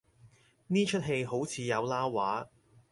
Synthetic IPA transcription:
niː˥t͡ʃʰɵ˥t̚ɦe˧jɦo˨˥wt͡sʰiː˨˧jɐ˨˧wlaː˥waː˨˥

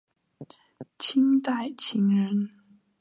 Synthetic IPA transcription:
t͡ɕʰi˥nt̪a˥˩ɪt͡ɕʰi˧˥ŋɻə˧˥n

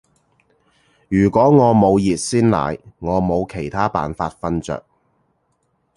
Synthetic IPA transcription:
jyː˨˩kʷɔː˨˥ŋɔː˨˧mo˨˧wjiː˨t̚siː˥nla̰ː˨˩jŋɔː˨˧mo˨˧wkʰe˨˩jt̪ʰaː˥pa̰ː˨nfaː˧t̚fɐ˥nt͡sœ̰ː˨k̚

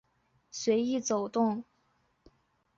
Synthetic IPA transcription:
swe˧˥ɪi˥˩t͡so˨˩ʊt̪ʊ˥˩ŋ

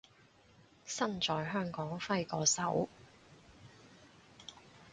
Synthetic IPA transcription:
sɐ˥nt͡ʃɔː˨jɦœː˥ŋkɔː˨˥ŋfɐ˥jkɔː˨˧sɐ˨˥w

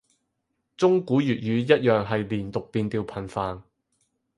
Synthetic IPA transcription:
t͡sʊ˥ŋkuː˨˥jyː˨t̚jyː˨˧jɐ˥t̚jœː˨˩ŋɦɐ˨jliː˨˩nt̪ʊ˨k̚piː˨˧nt̪iː˧wpʰɐ˨˩nfaː˨n

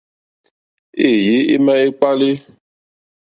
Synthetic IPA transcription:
e˦˨ji˨˦e˦mɛ̃˦e˦k͡pa˦le˦

